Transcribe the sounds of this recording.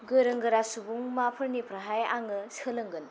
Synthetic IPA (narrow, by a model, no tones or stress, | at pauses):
ɡɯɾɯŋɡɯɾasubuŋmapʰɯɾnipʰɾɐɦajaŋɯsɯlɯŋɡɯn